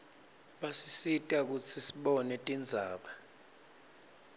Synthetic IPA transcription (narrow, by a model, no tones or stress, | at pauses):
ɓasisitʼak̬ut͡sʰisiɓɔnɛtʼind͡zʱaːɓa